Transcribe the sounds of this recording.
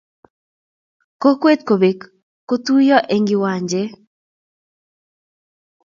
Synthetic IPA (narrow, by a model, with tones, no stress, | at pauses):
ko˦kwe˦t̪̚ko˨be˨kː | o˦t̪u˦jɔ˦ʔe˨ŋɡɪ˦wa˨ɲd͡ʒe˦